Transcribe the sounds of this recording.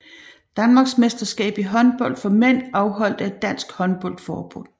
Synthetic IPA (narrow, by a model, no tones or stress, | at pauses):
d̥ænmɑ̈ːɡ̥smesd̥ɐsɡ̥ɛ̰ːb̥iɦɒ̽nb̥ɒ̽l̰d̥fɒ̽men̰ɑ̈ʊɦɒ̽l̰d̥əæd̥ːæn̰sɡ̥hɒ̽nb̥ɔ̽l̰d̥fɒːb̥on̰ˠ